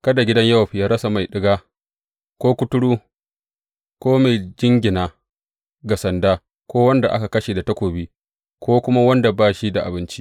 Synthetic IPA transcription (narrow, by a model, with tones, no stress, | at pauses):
kɐ˦da˨ɡʲɪ˦dɐ˦ɲjɐ˦wa˨ɸi˨jaː˦ɾɐ˦sa˨ma˨jɗɪ˦ɡaː˦ | kʷoː˦kʷʊ˦tʊ˦ɽuː˦ | kʷoː˦ma˨jd͡ʒɪ˦ŋɡʲɪ˨naː˨ | ɡa˨sɐ˨ndaː˦ | kʷoː˦wɐ˦nda˨ʔa̰˦ka˨kɐ˦ʃeː˨da˨tɐ˦kʷoː˨biː˦ | kʷoː˦kʷʊ˦ma˦wɐ˦nda˨baː˦ʃi˦da˨ʔa̰˨bɪ˦nt͡ʃi˦